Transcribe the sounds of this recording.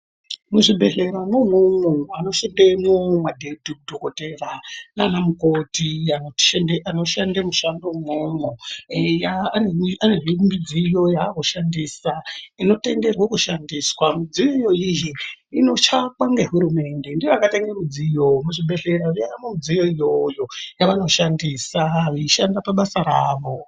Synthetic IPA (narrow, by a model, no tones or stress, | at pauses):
muʐibʱe̞ɮe̞ɾamomumoano̞ʃandemomadʱediudʱokoterananamukotiano̥ʃendeʔano̞ʃandamuʃandomumujaneaneʐimid͡zijo̞jakoʃandiːsaino̞te̞nde̞rwakuʃandiswamid͡zijoijo̞ijiino̞t͡ʃakwaŋɡe̞ɦuɾume̞nde̞ndiʋakateŋɡemud͡zijo̞muʐiɓe̞ɮe̞ɾaʐijajamomud͡zijo̞ijojo̞jaʋano̞ʃandisaʋiiʃandapaɓasaɾaːʋo̞